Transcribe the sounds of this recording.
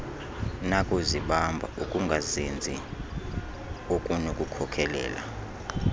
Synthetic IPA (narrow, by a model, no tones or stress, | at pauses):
nakʼuziɓambʱa̰ʔukʼuŋɡʱazind͡zʱi | okʼunokʼukʰɔkʰɛlɛ̰ːla̰